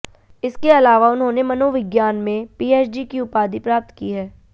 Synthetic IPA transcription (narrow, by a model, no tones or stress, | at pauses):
ɪskeɐlaːʋaʊnɦõnemɐnoʋɪɡjaːnmẽpiːeːt͡ʃɖikiʊpaːd̪ipɾaːp̚t̪kiɦɛː